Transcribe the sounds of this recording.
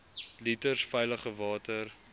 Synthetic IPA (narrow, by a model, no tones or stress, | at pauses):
litərsfɛjləχəvɑːtər